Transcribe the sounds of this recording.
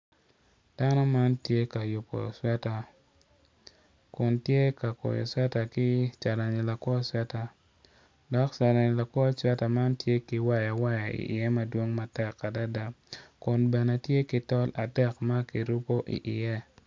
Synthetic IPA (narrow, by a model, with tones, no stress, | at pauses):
d̥a˦nɔ˦ma˦ntje˦ka˨jʊ˨po̰˨swɛ˦ta˨ | kʊ˨ntje˦ka˨ko̰˨jɔ̰˨swɛ˦ta˨kɪ˦t͡ʃa˨ɾa˨ɲi˨la˨kwɔ˦sɛ˦ta˦ | dɔ˨kt͡ʃa˨ɾa˨ɲ˨la˨kwɔ˦swɛ˦ta˨ma˦ntje˦kɪ˦wa˦ja˨wa˦ja˨ḭ˨ʔɪ̰˨jɛ˦mɐ˦dwo˦ŋma˦tɛ˨kːa˨da˦da˦kʊ˨nbɛ˨ne˨tje˦kɪ˦tɔ˦la˨dɛ˦˨kma˦ki˨ɾu˦po˦ʔḭ˨ʔɪ˨jɛ˦